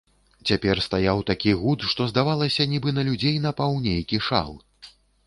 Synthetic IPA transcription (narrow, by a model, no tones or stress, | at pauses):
t͡sʲapʲɛrst̪ajawt̪akʲiɣut̪ʂt̪ɔzd̪avalˠɐsʲɐnʲibɨnɐlʲud͡zʲejn̪ɐpawnʲejkʲiʂa̰lˠ